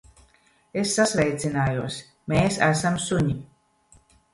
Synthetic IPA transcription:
esːasvɛjt̪sʲinaːjuɔs | meːsæsamsuɲi

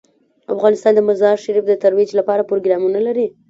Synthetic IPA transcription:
a̰fɣɑnɪst̪ɑnd̪əmazɑɾʃaɾifd̪ət̪aɾwid͡ʒlapɑɾapɾoɡɾɑmunalaɾi

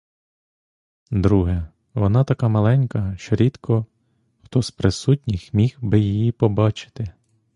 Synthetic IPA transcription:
d̪ɾuɦɛ | ʋɔnɑt̪ɐkɑmɐlˠɛnʲkɐʃt͡ʃɔɾʲid̪kʰɔ | xt̪ɔspɾɪsutʲnʲixmʲihbɪjijipɔbɑt͡ʃɪ̥t̪ɪ

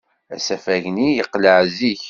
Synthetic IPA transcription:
æ̰sæfæʝnijəqːləʕziç

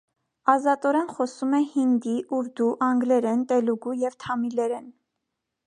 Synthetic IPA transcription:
ɑzɑt̪ɔɾɛnχɔsumɛhind̪iʔuɾd̪uʔɑŋɡlɛɾɛnt̪ɛluɡujɛvt̪ʰɑmilɛɾɛn

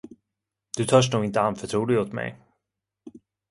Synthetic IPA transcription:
d̪ɵt̪ʰœʂnɳuːɡɪnt̪əanfœʈʰɾuːlɪɡɔt̪mɛ̰j

